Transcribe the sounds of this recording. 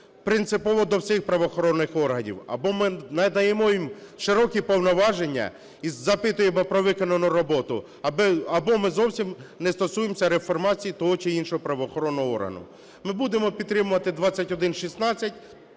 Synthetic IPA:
pɾɪnt̪sɪpɔʋɔd̪ɔwsʲɪxpɾɐʋɔxɔɾɔnːɪxɔrɦɐnʲḭwɐ̰bɔmɪnɐd̪ɐjemɔjimʃɪɾɔkʲipɔwnɔʋɑʒe̞nʲːɐ̰ | izːɐpɪt̪ʊjemɔpɾɔʋɪkɔnɐnʊɾɔbɔt̪ʊ | bɐbɔmɪzɔwsʲimnɛst̪ɔsujemsʲɐɾefɔrmɑt͡sʲijit̪ɔɦɔt͡ʃɪinʃɔɦɔpɾɐʋɔxɔɾɔnːɔɦɔɔ̰rɦɐ̰nʊ̰ | mɪbud̪emɔpʲid̪t̪ːɾɪmʊʋɐt̪ɪd̪ʋɑt͡sʲːɐtʲɔd̪ɪnʃisnɑt͡sʲːɐtʲ

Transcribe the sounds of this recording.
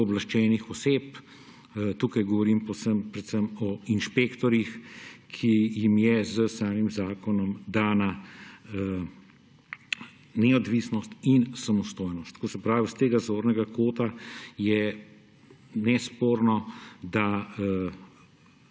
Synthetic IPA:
ɔblaʃt͡ʃɛːnixɔseːp | t̪uːkajɡɔʋɔɾimpɔwsəmpɾɛt̪səmɔinʃpeːkt̪ɔɾjixkʰijimjɛzəsaːmimzaːkɔnɔmd̪aːna | nɛɔd̪ʋisnɔst̪insamɔst̪oːjnɔst̪kosɛpɾaːʋist̪eːɡazoːɾnɛɡakoːt̪ajɛ | nɛspoːɾnɔd̪a

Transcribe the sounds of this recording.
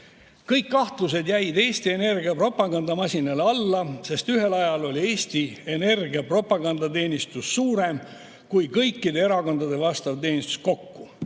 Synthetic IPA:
kɤjkːɑht̪lus̬e̞d̪jæjd̪e̞ːsʲt̪ie̞ne̞rɡiɑpro̞pːˑɑɡɑnd̪̥ɑmɑsʲinɑlɑlːɑse̞st̪yɦe̞lɑjɑlo̞lʲie̞ːsʲt̪ie̞ne̞rɡiɑpro̞pːˑɑɡ̥ɑnd̪̥ɑt̪e̞ːnʲist̪usːuːɾe̞m | kujkɤjkːid̪e̞e̞ɾɑko̞nd̪̥ɑd̪e̞vɑst̪ɑvt̪e̞ːnʲist̪u̥sko̞kːu

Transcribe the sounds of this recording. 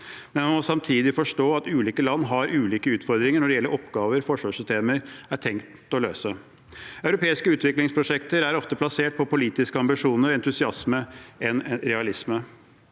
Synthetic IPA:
mɛnmɑnmɔsɑmt̪ʰiːd̪ɪfɔʂʈoːɑt̪ʉːliːkəlɑnːɦɑɾʔʉːliːkəʉːt̪fɔɾd̪ɾɪŋəɳɔɖɛjɛlːəɾʔɔpɡɑːʋəɾfɔʂʋɑːʂʏst̪eːməɾæʈʰɛŋkt̪ | ɔløːsə | ɑʉɾʊpʰeːɪskəʉːt̪ʋɪklɪŋspʰɾʊʂɛkt̪əɾæɾɔft̪əpʰlɑseːʈ̚pʰɔpʊliːt̪ɪskəɑmbɪʂuːnəɾɛnt̪ʉsɪɑsməɛnɾɛɑlɪsmə

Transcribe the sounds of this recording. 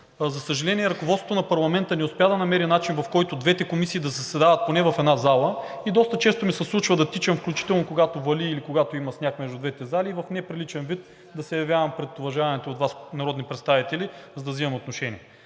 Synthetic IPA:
zɐsəʒɐlɛnʲiɛɾɐkovɔt̪sot̪onɐpɐɾlˠɐmɛnt̪ənɛʊspɛad̪ɐnɐmɛɾinat͡ʃinvɐfkɔjt̪ʊd̪vɛt̪ɛkomisiːd̪ɐzəsɛd̪avɐt̪̚ponɛvɐfɛd̪nazalˠəid̪ɔst̪ət͡ʃɛst̪omisɐslˠut͡ʃvɐd̪ɐt̪it͡ʃɐmfklʲut͡ʃi̥t̪ɛlˠnokoɡat̪ovɐliːlikoɡat̪oimɐsnʲakmɛʒd̪ʊd̪vɛt̪ɛzaliːvɐfnɛpɾilit͡ʃɛnvit̪ | d̪ɐsɛjɐvʲjavɐmpɾɛt̪ʊvɐʒavɐnɛt̪oːd̪vasnɐɾɔd̪nipɾɛt̪st̪avit̪ɛlizɐd̪ɐvzimɐmot̪noʃɛnʲiɛ

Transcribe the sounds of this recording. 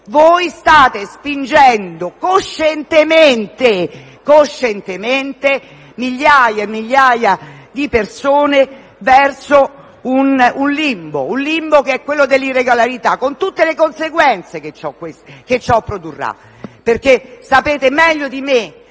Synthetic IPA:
vojst̪aːt̪espind͡ʒɛnd̪okoʃːɛnt̪ement̪e | koʃːɛnt̪ement̪e | miʎːaːjamːiʎːaːjad̪ipersoːne | vɛrso | ununlimbo̰unlimbokeɛkːwelːod̪elːirːeɡolaɾit̪akːont̪ut̪ːelekonseɡwɛnt̪seket͡ʃːɔkwesket͡ʃːɔpːɾod̪urːa̰ | perkesapeːt̪emɛʎːod̪ime

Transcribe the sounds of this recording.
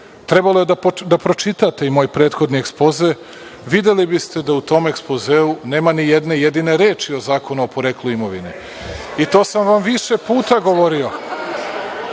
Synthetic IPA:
t̪ɾebalojed̪apod̪apɾo̞t͡ʃit̪at̪e̞imo̞ːjpɾe̞ːt̪xod̪niekspo̞ze | ʋid̪elibist̪e̞d̪aut̪o̞ːme̞kspozeune̞ːmanijed̪ne̞jed̪ine̞ɾe̞ːt͡ʃio̞zaːko̞nuopo̞ɾekluimo̞ʋḭnḛ | it̪o̞ːsamʋamʋiʃe̞puːt̪aɡo̞ʋo̞ɾio̞

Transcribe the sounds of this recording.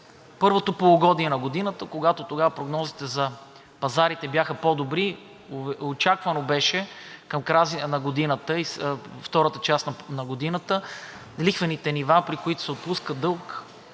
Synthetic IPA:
pɤɾvot̪opolˠoɡɔd̪niɛnɐɡod̪inət̪əkoɡat̪ot̪oɡavɐpɾoɡnɔzit̪ɛzɐ | pɐzaɾit̪ɛbjaxəpɔd̪obɾi | vot͡ʃakvənobɛʃɛkɐmkɾazinɐɡod̪inət̪əisft̪ɔɾət̪ət͡ʃast̪nnɐɡod̪inət̪ə | lixvɛnit̪ɛnivapɾikoit̪ʊ̥sɛot̪̚puskəd̪ɤlˠk

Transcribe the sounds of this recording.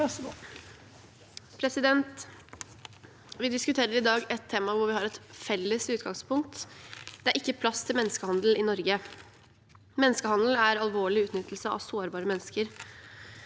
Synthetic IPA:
pʰɾɛsɪd̪ɛnt̪ | ʋɪd̪ɪskʉt̪ʰeːɾəɾɪd̪ɑːɡɛt̪ʰːeːmɑʋʊɾʋɪhɑɾɛt̪fɛlːəsʉːt̪ɡɑŋspʊŋk̚t̪d̪̥ɛæɾʔɪkːəpʰlɑst̪ʰɪlmɛnːəskəhɑnd̪l̩ɪnɔɾɡə | mɛnːəskəhɑnd̪l̩æɾɑlˠʋoːɭɪʉːt̪nʏt̪ːl̩səɑ̰ʋsoːɾbɑːɾəmɛnːəskəɾ

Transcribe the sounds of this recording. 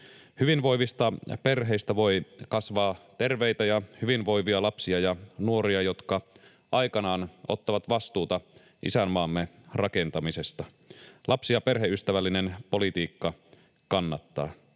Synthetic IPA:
hyʋinʋo̞iʋist̪ɑpe̞rɦeist̪æʋo̞ikɑsʋɑːt̪e̞rʋejt̪æjɑhyʋinʋo̞jʋiɑlɑpsiɑjɑnuo̞riɑjot̪kɑ | ʔɑikɑnɑːno̰t̪ːɑʋɑt̪ʋɑst̪uːt̪ɑ | ʔḭsæmːɑːmːerɑke̞nt̪ɑmisest̪ɑ | lʔɑpsiɑperɦeʔyst̪æʋælːinenpo̞lit̪iːkːɑ | kɑnːɑt̪ːɑ̰ː

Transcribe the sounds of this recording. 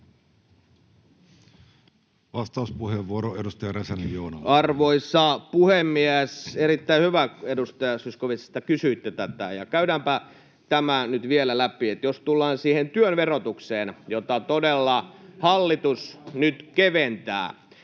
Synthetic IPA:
ʋɑst̪ɑuspuheʋːuoɾoedust̪ɑjɑresænjoːnɑ̰ɑrʋoisˑɑpuhemːiæserit̪ːæihyʋæedust̪ɑjɑsyskoʋise̥st̪ɑkysyit̪ːet̪æt̪æ̰jɑkæyɾæmpæ | t̪æmænyt̪ʋielælæpiet̪jost̪ulːɑːnsiːhent̪yønʋerot̪ukseːnjot̪ɑt̪odelːɑhɑlːit̪usnyt̪keʋent̪æ̰ː

